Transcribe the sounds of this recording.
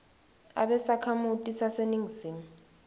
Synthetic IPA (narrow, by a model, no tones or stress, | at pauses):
a̰ɓɛsakʰamutʼisaseniŋziːmu